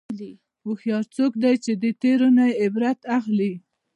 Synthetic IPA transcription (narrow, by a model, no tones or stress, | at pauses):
li | wuxjɑɾt͡sokd̪ajt͡ʃed̪ət̪eɾonajɪbɾat̪axli